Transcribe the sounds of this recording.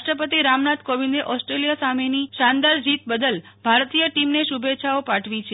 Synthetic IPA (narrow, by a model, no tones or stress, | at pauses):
ʃʈɾəpət̪iɾamnat̪koʋind̪eʔɔsʈɾelijasameniʃand̪aɾd͡ʒit̪bəd̪əlbʱaɾt̪ijəʈimneʃubet͡ʃʰaopaʈʰʋit͡ʃʰe